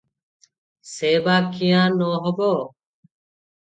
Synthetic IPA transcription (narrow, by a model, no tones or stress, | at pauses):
seːbaːkijãːnoːɦəboː